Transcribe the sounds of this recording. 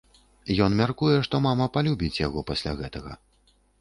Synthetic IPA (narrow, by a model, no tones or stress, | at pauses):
jɔnmʲarkujɛʂt̪ɔmamɐpalʲubʲit͡sʲjaɣɔpasʲlʲa̰ɣɛt̪ɐɣɐ̰